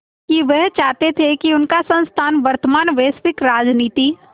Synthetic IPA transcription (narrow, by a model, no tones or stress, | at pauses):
kiʋɛɦt͡ʃaːɦt̪et̪ʰekiʊnkasɐ̃nst̪ʰaːnʋɐɾt̪əmaːnʋeːsʋɪkɾaːd͡ʒniːt̪iː